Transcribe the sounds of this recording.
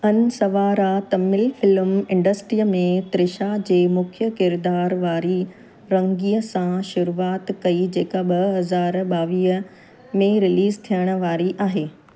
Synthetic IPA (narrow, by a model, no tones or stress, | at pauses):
ɐnsɐʋaːɾat̪ɐmɪlfɪlmɪ̃ɳɖəsʈɾiːəmẽt̪ɾɪʃad͡ʑeːmʊkʰjəkɪɾd̪aːɾʋaːɾi | ɾɐ̃ŋɡiːəsãʃʊɾuːaːt̪kɐid͡ʑeːkaɓɐɦɐzaːɾɓaːʋiːə | mẽɾɪliːzt̪ʰijəɽ̃ə̆ʋaːɾiʔaːɦeː